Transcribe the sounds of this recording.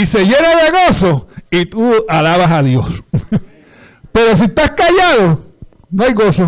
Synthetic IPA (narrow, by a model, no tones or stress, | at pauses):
ise̞ʝe̞naðeɣoso̞it̪ualaβasaðjo̞s | pe̞ɾo̞s̬iet̪askaʝaðo | noajɣo̞so